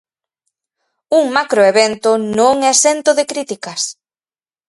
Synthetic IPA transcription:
uŋmakɾoeβent̪onõŋɛsent̪oðɪkɾit̪ikɐs

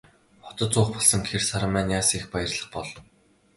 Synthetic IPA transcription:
χɔ̥t̪ɞ̆t̪t͡sʊːχpɔɮsə̆ŋxersaɾə̆mæːnjaːsexpajə̆rɮə̆χpɔɮ

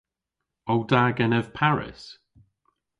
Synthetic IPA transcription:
owdaːɡɛnɛv̥pʰaɹɪ̰s

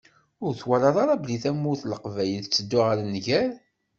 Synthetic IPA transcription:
ʊɾθwæɾɑðˤɑɾˤɑbliθæmːuθləqvæjəlt͡sːəd̪ːʊʁəɾnːʝæl

